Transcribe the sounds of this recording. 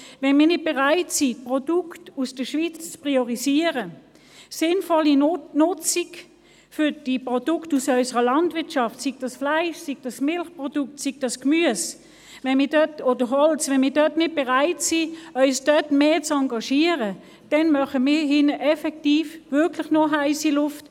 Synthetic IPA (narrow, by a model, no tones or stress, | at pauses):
vɛnmiːɐnɪd̚b̥ɛʁaɪtsipʁɔdʊktusd̥əʃvit͡st͡spʁiɔʁisiəʁə | sɪnfɔlinʊt͡sik | fʏd̥ipʁɔd̥ʊktusœʏsəʁəlɑntvɪɐtʃɑftsiɡ̥̚d̥ɑsflaɪʃsiɡ̥̚d̥ɑsmɪlχpʁɔd̥ʊk̚tsiɡ̚d̥ɑskmyəs | vɛnmɪːɐdtoːd̥əɦɔlt͡svɛnmiːdœtnɪt̚b̥ɛʁaɪtsiœʏsd̥œtmeːt͡sɑŋɡɑʃiəʁə | d̥ɛnmœχəmɪːɦɪnəʔɛfɛk̚tiːfvʏɐkʰlɪχnoɦaɪsilʊft